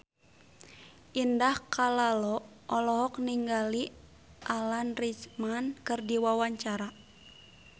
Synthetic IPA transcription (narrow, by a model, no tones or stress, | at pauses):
ʔindahkalalɔɔlɔɦɔk̚niŋɡali | ʔalanrismankɨrdiwawaɲt͡ʃaɾa